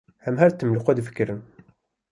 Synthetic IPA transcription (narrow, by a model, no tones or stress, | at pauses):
hæmɦæɾt̪ːəmluqʷæd̪fə̥kːɾəm